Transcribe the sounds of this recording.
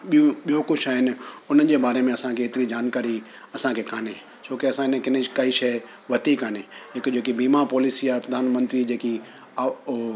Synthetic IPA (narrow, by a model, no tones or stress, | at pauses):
ɓiũɓijokʊt͡ʃʰaːɦɪnɪ̆ʊnəd͡ʑeːbaːɾemẽɐsãkʰeːt̪ɪɾid͡ʑaːnkaːɾi | ɐsãkʰekʰaːne | t͡ɕʰoːkeɐsãɪnẽkɪnkɐiʃɐ | ʋɐt̪ikʰaːneɦɪkd͡ʑoːkibiːmapɔːlisiaɾpɾɐd̪ʱaːnmə̃nt̪ɾid͡ʑeːki